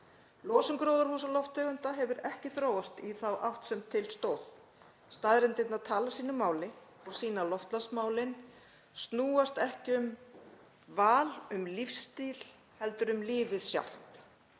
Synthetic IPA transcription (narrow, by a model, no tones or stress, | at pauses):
lɔːsʏŋkɾoːwðaɾ̥huːs̬alɔft̪ʰœːɣʏnt̪aɦɛvʏɾɛhcɪθɾoːwvast̪iθawʔawht̪sɛmt̪ʰɪlst̪oːwθ | st̪aðɾɪnt̪ɪt̪naðt̪ʰaːlasiːnʏmːaːwlɪ | ɔɣsiːnalɔft̪lasmaːwlɪn | st̪nuːast̪ɛhcɪʏm | vaːlʏmlifst̪iːl̥ | hɛlt̪ʏɾʏmliːvɪðsja̰wl̥t̪